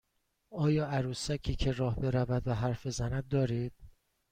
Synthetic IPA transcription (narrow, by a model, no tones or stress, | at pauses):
ɒːjɒːæɾuːsæcʰiːcʰe̞ɾɒːhbe̞ɾævæd̪væɦæɾfbe̞zænæd̪̚ːɒːɾiːd̪̥̚